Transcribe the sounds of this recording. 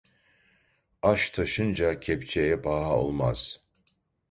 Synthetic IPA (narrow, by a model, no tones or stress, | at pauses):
aʃt̪ʰaʃɯnd͡ʒacʰɛpt͡ʃʰejɛbaɦao̰lˠma̰z̥